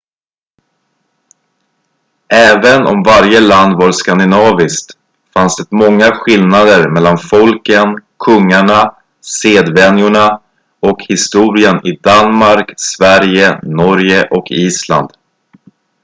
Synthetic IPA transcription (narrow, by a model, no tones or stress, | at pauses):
ɛːvənɔ̰mvaɾjəland̪vaɾskand̪ɪnɑːvɪskt̪ | fansd̪ɛt̪mɔŋːaɧɪlnad̪əɾmɛlːanfɔlkənkʰɵŋːaɳa | seːd̪vɛnjʊɳa | ɔkhɪst̪uːɾɪənʔɪd̪anmaɾksvæɾjənɔɾjəʔɔkʰiːsla̰nd̪̥